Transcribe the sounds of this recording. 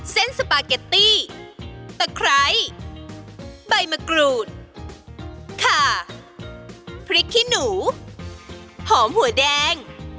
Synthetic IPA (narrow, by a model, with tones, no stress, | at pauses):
se˥˩nsa˧paː˧ka˧˩t̪iː˥˩ | t̪a˧˩kʰɾa˦˥j | ba˧jma˧kɾuː˧˩t̪̚ | kʰaː˧˩ | pʰɾi˦˥kʰːi˥˩nuː˩˦ | hɔː˩˦mhu˨˩˦dɛː˧ŋ